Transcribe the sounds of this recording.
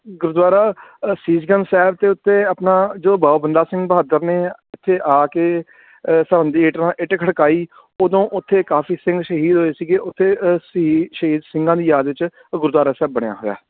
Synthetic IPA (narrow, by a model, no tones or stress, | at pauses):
ɡʊɾd̪waːɾaːsiːsɡənsɛːb̚t̪eːʊt̪ʰːeːəpnãːd͡ʒoːbaːobənd̪aːsɪ̃ŋɡbəɦaːd̪əɾneːɪt̪ʰːeːʔaːkeː | səɾə̃nd̪iːeːʈɾãːʔɪʈkʰəɽkaːiː | oːd̪õːʔʊt̪ʰːeːkaːfʰiːsɪ̃ŋɡʃəɦiːd̪ɦoːeːsiːɡeʔʊt̪ʰːeːsiʃəɦiːd̪sɪ̃ŋɡãːd̪iːjaːd̪ʋɪt͡ʃ | ɡʊɾd̪waːɾaːsɛːbːəɽ̃eja̰ːɦoːja̰ː